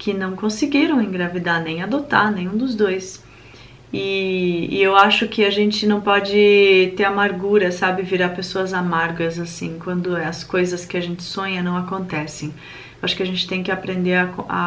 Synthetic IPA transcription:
kʰɪnɐ̃w̃kõsɪɡiɾɐ̃w̃ẽj̃ɡɾavid̪anẽj̃ad̪ot̪a̰ɾnẽj̃ũd̪ʊzd̪ojs | ɪɪ̰ewaʃʊkɪaʒẽnt͡ʃɪnɐ̃w̃pɔd͡ʒɪt̪eɾamaɾɡuɾɐsabɪviɾapesoɐzamaɾɡɐzasĩkwɐ̃nd̪ʊɛɐskojzɐskɪaʒẽnt͡ʃɪ̥sõɲɐnɐ̃w̃akõnt̪ɛsẽj̃ | ewaʃʊ̥kɪaʒẽnt͡ʃɪ̥t̪ẽj̃kɪapɾẽnd̪eɾɐka̰

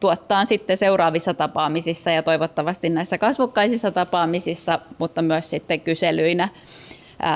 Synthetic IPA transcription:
t̪uot̪ːɑːnsit̪ːeseurɑːʋisːɑt̪ɑpɑːmisisːɑjɑt̪oiʋot̪ːɑʋɑst̪innæisːækɑsʋukːɑisisːɑt̪ɑpɑːmisisːɑmut̪ːɑmyøssit̪ːekyselyinæ

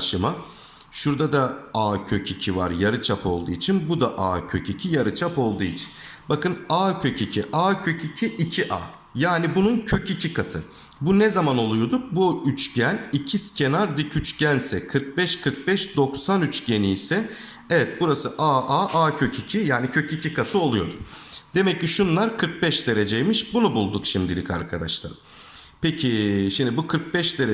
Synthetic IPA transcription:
ʃɯma | ʃuɾd̪ad̪aaːcʰøcʰicʰiva̰ɾjaɾɯt͡ʃʰapo̞̰lˠd̪uːit͡ʃʰinbud̪aʔa̰ːcʰøcʰicʰijaɾɯt͡ʃʰapo̞lˠd̪uit͡ʃʰi̥nbakɯnaːcʰøcʰicʰiʔaːcʰøcʰicʰiʔicʰiʔa̰ː | jaːnibununcʰøcʰicʰikʰat̪ʰɯ | bunɛzamano̞lˠujod̪ʊbuyt͡ʃɟænicʰiscʰenaɾd̪icʰyt͡ʃɟænsɛkʰɯɾk̚bɛʃkʰɯɾk̚bɛʃd̪o̞ksanyt͡ʃɟe̞niːsɛ | ɛevɛt̪̚buɾasɯʔaʔaʔaːcʰøcʰicʰijaːnicʰø̞cicʰikʰat̪ʰɯo̞lˠujo̞̰d̪ʊd̪e̞mɛcːiʃunlˠaɾkʰɯɾk̚bɛʃd̪e̞ɾe̞d͡ʒejmiʃbunubulˠd̪ukʃimd̪ilʲikʰa̰ɾkʰad̪a̰ʃlˠa̰ɾɯm | pʰecʰiʃimd̪ibukʰɯɾk̚bɛʃd̪e̞ɾe

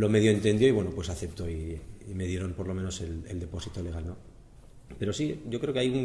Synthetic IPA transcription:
lo̞me̞ðjoent̪e̞nd̪jo̞iβwe̞nopwe̞saθe̞p̚t̪o̞ime̞ðje̞ɾo̞mpo̞ɾlo̞me̞no̞se̞leld̪e̞po̞sit̪o̞le̞ɣ̞alno | pe̞ɾo̞siɟ͡ʝo̞kɾeo̞keajuŋ

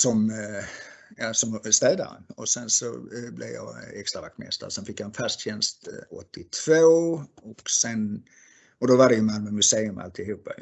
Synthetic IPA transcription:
sɔm | jɑːsɔmst̪ɛːd̪a̰ɾə̰nɔsɛnsɔ̰blɛ̰vjɑ̰ːɛkst̪ɾavak̚t̪mɛ̰st̪ə̰ɾsɛnfɪkːjhanfast̪ɕɛnst̪ɔt̪ːɪt̪ʰv̥oːɔksɛn | ɔd̪ɔvad̪ɛjəmalmənmɵseːɵmʔa̰lt̪ɪhuːpːa

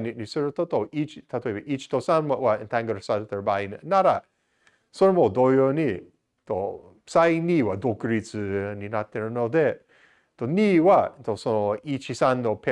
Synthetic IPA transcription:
ninisəɾt̪ot̪oʔit͡ʃt̪ʰat̪ebəʔit͡ʃt̪osanwaʔwaənt̪aŋɡəɾsant̪əɹbajnnaɾa | sɔɾmod̪ojoni | t̪o | psajniwad̪okəɾit͡sɨninat̪ɛɾnod̪ɛ | t̪oniwant̪osoit͡ʃisanːopʰɛ

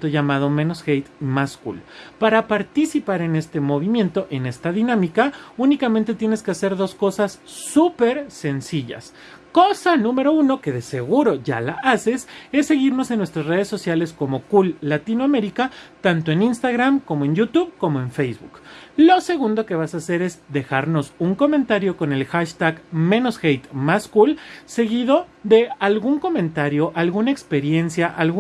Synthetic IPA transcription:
t̪oʝamaðo̞mẽ̞nosxejt̪maskṵlpaɾapaɾt̪isipaɾe̞ne̞st̪e̞mo̞βimjẽ̞nt̪o̞ʔe̞ne̞st̪aðinãmikaunikamẽnt̪e̞t̪je̞ne̞ske̞ase̞ɾðo̞sko̞sasː | upe̞ɾse̞nsiʝa̰s | ko̞sanũme̞ɾo̞uno̞keðe̞se̞ɣuɾo̞ʝa̰laʔase̞se̞sːe̞ɣiɾno̞se̞nːwe̞st̪ɾazre̞ð̞e̞sːo̞sjale̞sko̞mo̞kulːat̪inoame̞ɾikat̪ant̪o̞eninst̪aɣɾamko̞mo̞e̞njut̪uβko̞mo̞e̞ɱfejzβṵklo̞se̞ɣund̪o̞ke̞βasaːse̞ɾe̞zðe̞xaɾno̞suŋko̞mẽnt̪aɾjo̞ko̞ne̞lxaʃt̪aɣmẽ̞no̞sxejt̪maskulse̞ɣiðo̞ðe̞alɣuŋko̞mẽnt̪aɾjo̞ʔalɣunaekspe̞ɾje̞nsjaʔalɣ

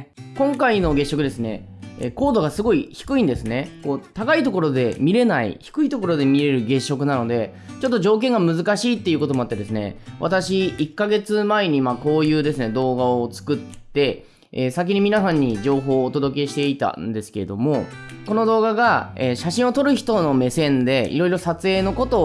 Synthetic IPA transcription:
kõ̞ŋkainoɡe̞ɕːo̞kɯ̟d̪e̞sɨne̞̰ | ḛko̞ːd̪o̞ɡasɨɡo̞içi̥kɯ̟ĩnd̪e̞sɨne̞koːt̪akait̪o̞ko̞ɾo̞d̪e̞mʲiɾe̞naḭçi̥kɯ̟it̪o̞ko̞ɾo̞d̪e̞mʲiɾe̞ɾɯ̟ɡe̞ɕːo̞kɯ̟nano̞d̪e̞ | t͡ɕo̞t̪ːo̞ʑo̞ːk̬ẽ̞ŋɡamɯzɨkaɕiːt̪ːe̞iɯ̟ko̞t̪o̞mo̞at̪ːe̞d̪e̞sɨne̞̰βa̰t̪aɕiikːaɡe̞t͡sɨmae̞ɲ̟imako̞ːjɯ̟ːd̪e̞sɨne̞d̪o̞ːɡaot͡sɨ̥kɯ̟t̪ːe̞ | esak̬ʲiɲ̟imʲinasãɲ̟ːid͡ʑo̞ːɦo̞ːt̪o̞d̪o̞k̬e̞ɕi̥t̪e̞it̪a̰nd̪e̞sɨ̥ke̞ɾe̞̰d̪o̞mo̞ | ko̞no̞d̪o̞ːɡaɡaeːɕaɕĩɰ̃o̞t̪o̞ɾɯ̟çi̥t̪o̞no̞me̞sẽ̞nd̪e̞ḭɾo̞iɾosat͡sɨe̞ːno̞ko̞t̪o̞

